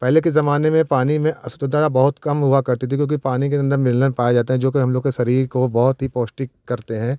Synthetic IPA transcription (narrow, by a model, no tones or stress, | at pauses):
pɛɦlekezɐmaːnemẽpaːnimẽʔɐsʊt̪əd̪aːd̪abɐɦʊt̪kɐmɦuakɐɾt̪it̪ʰik̬jõːkipaːnikeɐ̃nd̪əɾmɪlnənpaːjed͡ʒaːt̪aɦɛ̃d͡ʒoːkiɦɐmloːɡkeʃɐɾiːɾkobɔɦʊt̪ɦipoːsʈikkːɐɾt̪eɦɛ̃ː